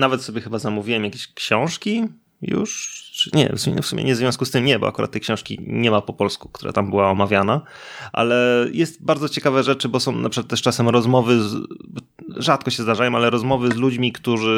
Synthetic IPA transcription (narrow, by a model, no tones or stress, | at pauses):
navɛt̪sɔbʲjɛxɘbazamuvʲiwɛmjakʲeɕkɕɔ̃w̃ʂkʲi | jṵʂt͡ʂɨ̥ɲɛ̰fsumḭnɛ̰fsumʲʔɛ̰ɲɛzvʲjɔ̃skust̪ɘmɲɛbɔ̰ʔa̰kuɾa̰t̪ːɛjkɕɔ̃w̃ʂkʲḭɲɛmapɔpɔlsku̥k̚t̪uɾa̰t̪ambɘwaɔmavʲjanaʔa̰lɛjʔɛst̪̚baɾd̪zɔt͡ɕɛkavɛʐɛt͡ʂɘbɔsɔ̃w̃nʔapʂɨkat̪t̪ːɛʂt͡ʂasɛmɾɔzmɔvɘ | ʐat̪̚kɔɕɛzd̪aʐajɔ̃alɛɾɔzmɔvɘzlud͡ʑmʲikt̪uʐɘ